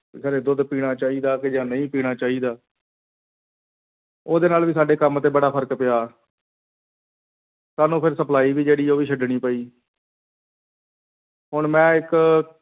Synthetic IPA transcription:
ɡəɾeːd̪ʊd̪piːɽ̃aːt͡ʃaːiːd̪aːked͡ʒãːnəĩːpiːɽ̃aːt͡ʃaːiːd̪aː | oːd̪eːnaːlʋiːsaːɖeːkəmt̪eːbəɽaːpʰəɾkpɪjaː | saːnũːpʰɪɾsəplaːiːʋiːd͡ʒeːɽiːoːʋiːʃʰəɖnĩːpəiː | ɦʊɳmɛ̃ːɪk

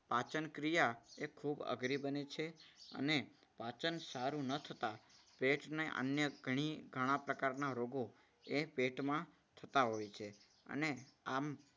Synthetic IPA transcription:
pat͡ʃənkɾijaekʰubə̰ɡɾibənet͡ʃʰeə̰ne | pat͡ʃənsaɾũnət̪ʰət̪a | peʈneʔə̰njəɡʱəɽ̃iɡʱəɽ̃ãpɾəkaɾnaɾoɡo | epeʈmã | t̪ʰət̪aɦojt͡ʃʰe | ə̰neam

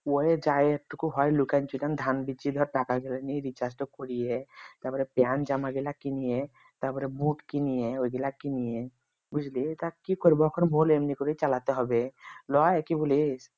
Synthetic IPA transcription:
oed͡ʒajʈːukuɦɔjlukant͡ʃiʈand̪ʱanbit͡ʃid̪ʱɔɾʈakaɡelaniɾit͡ʃasʈɔkɔɾiɛt̪apɔɾepjand͡ʒamaɡelakinije | t̪apɔɾebuʈkinijeojɡɛlakinije | bud͡ʒʱlit̪akikɔɾibɔɔkʰɔnbʱolemnikɔɾit͡ʃalat̪eɦɔbelɔaekibolis

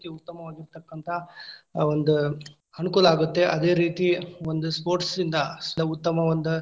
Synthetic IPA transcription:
t̪iut̪ːɐmɐʋaːɡiɾt̪ɐkːɐnt̪ʰɐ | o̞nd̪u | ɐnukuːlɐaːɡut̪ːe̞ʔɐd̪e̞ːɾiːt̪iond̪uspoːɾʈsind̪ɐlɐut̪ːɐmɐʋond̪u

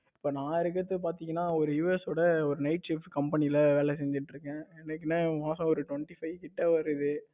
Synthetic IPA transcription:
ɪpːoːnãːɪɾɯk̬ːɐt̪ːɯp̬aːɾt̪iːŋɡɐnːaːɔɾɯjuːɛsɔːɽɐɔɾɯnɐɪʈ̚t͡ʃɪpkɐmpɛnɪɪlɐʋeːlɛsɛɲd͡ʒɪʈːɾɯkːɛ̃ːɛnːɐk̬ːɪnːaːmaːsɐ̃ɔɾɯʈʋɐɳʈifɐɪʋkɪʈːɐʋɐɾɯðɯ

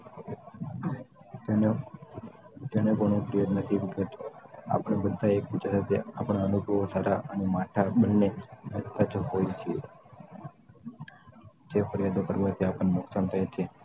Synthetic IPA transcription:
d͡ʒ̪anekoɳ̃ũfəɾijad̪nət̪ʰikət̪a̰pəɳ̃ebəd̪ʱːaekput͡ʃasat̪ʰeapəɽ̃aənubʱəʋosaɾaʔənemaʈʰabənːeət̪ad͡ʒɦojt͡ʃʰie | d͡ʒefəɾijad̪opəɾʋat̪ʰiapəɳnʊksant̪ʰəjet͡ʃʰe

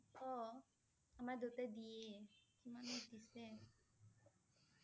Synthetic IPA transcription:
pʰɔ | amad̪otɛdiekimanet̪isɛ

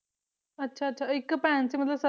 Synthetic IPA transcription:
ətːɕʰaətːɕʰaikːpɛ̃nt͡seːmət̪ləbsə

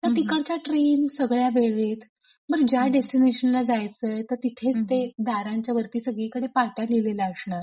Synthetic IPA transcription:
t̪əɾt̪ikəɭt͡ɕjaʈɾensəɡɭjaʋeɭʋet̪ | məɡd͡ʑjaɖesʈineɕənlad͡zajt͡sət̪əɾt̪it̪ʰet͡st̪ed̪ʱaɾãɲt͡ɕjaʋəɾt̪iːsəɡɭikəɽepaʈjalilelaəsɳaɾ

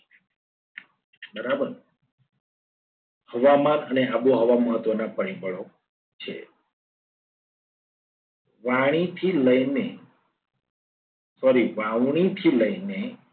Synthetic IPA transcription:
bəɾabəɾ | həʋamanəneaboɦəʋaməɦət̪ʋənapəɽ̃ibʱəɭo | t͡ʃʰḛ | ʋaɽ̃it̪ʰiləjne | sɔɾiʋãʋɽ̃it̪ʰiləjne

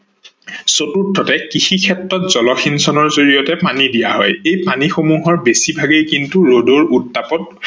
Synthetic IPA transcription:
sotutʰːɔtɛkixikʰɛtɹɔtz̥ɔlɔxinsɔnɔɹzoɹijɔtɛpanidijaɦɔ̰jejpanixomuɦɔɹbesibʱaɡejkintuɹodoɹutːapɔt̚

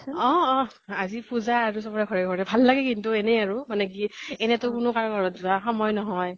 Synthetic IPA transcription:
ɔ̃ɔ̃ | azipuzaaɹus̬ɔpɔɹɛkʰɔɹɛkʰɔɹɛbʱalːaɡɛkintʊɛnɛaɹʊmanɛkiɛnɛtʊkʊnʊkaɹɡʱɔɹɔtzuaxɔmɔjnɔɦɔj

